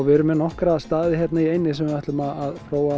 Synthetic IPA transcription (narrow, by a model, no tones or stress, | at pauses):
vɪɾʏmɛnɔhkɾast̪aːðɪçjɛt̪naiejnːɪsɛmvɪvaht̪lʏmaðaðfɾoːwa